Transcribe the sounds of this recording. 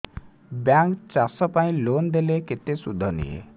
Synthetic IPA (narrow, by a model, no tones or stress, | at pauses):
bjaŋkt͡ʃasɔpaĩlond̪eleket̪esud̪ʱːɔnḭjḛ